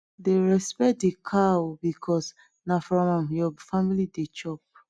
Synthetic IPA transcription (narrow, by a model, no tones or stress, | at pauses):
deɹɛspɛt̚dekʰawbikʰɔs | nafɾɔ̃mɔmjɔfamilidet͡ʃɔp̚